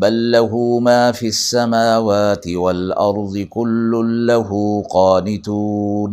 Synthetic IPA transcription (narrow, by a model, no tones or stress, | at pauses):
balːaɦumaːfiasːamaːwaːt̪ɪwalʔɑɾˤd̪ˤɨkʊlːʊnlaɦuːqɑːnɪt̪uːn